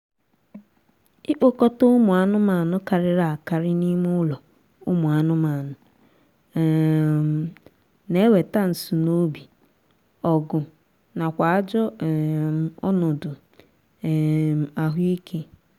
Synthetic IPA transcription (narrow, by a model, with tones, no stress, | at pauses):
ɪ˦k͡po˦kɔ˦to˦ʊ˦mʊ˨a˨nʊ˦ma˨nʊ˦ka˨ɾɪ˦ɾa˨a˨ka˨ɾɪ˦ni˦mʊ˦lɔ˨ | ʊ̰˦mʊ˨a˨nʊ˦ma˨nʊ˨ | ne˦we˨ta˦n̩˨su˨no˦bi˨ | ɔ˨ɡʊ˨ | na˨kʷa˨a˦d͡ʒɔ˦˨ | ɔ˦nʊ˨dʊ˨ | a˨ɦi˦kʰe˦